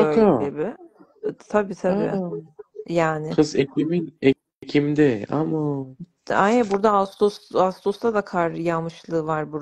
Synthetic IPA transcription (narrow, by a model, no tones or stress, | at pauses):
ølʲebɪ | t̪ʰabiːt̪ʰabḭː | jaːnɪasekimine | ecʰimd̪ɛama | ajɛbuɾd̪aast̪ʰosast̪ʰost̪ʰad̪akʰaɾjamɯʃlˠɯːvaɾbuɾ